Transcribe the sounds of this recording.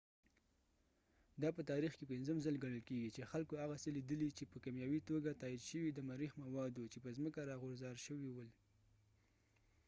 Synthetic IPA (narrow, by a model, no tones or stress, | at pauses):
d̪ɑpət̪ɑɾixkepɪnzəmzalɡaɽəlkeɡit͡ʃexalkohaɣaselid̪əlit͡ʃepəkamjɑwit̪oɡat̪ɑid̪ʃəwid̪əmaɾixmawɑd̪ut͡ʃepəzməkaɾɑɣʊɾzɑɾʃəwiwəl